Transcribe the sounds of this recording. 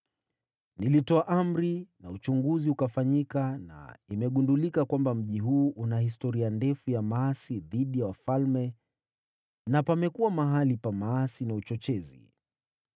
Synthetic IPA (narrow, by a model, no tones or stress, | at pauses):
nilitɔaʔam̩ɾinaut͡ʃuŋɡuziukafaɲikana̰imɛɠundulikakwambam̩ʄiɦuːʔunahistɔɾiandɛfujamaasiðiɗijawafalmɛ | napamɛkuwamaɦalipamaasinaut͡ʃɔt͡ʃɛzḭ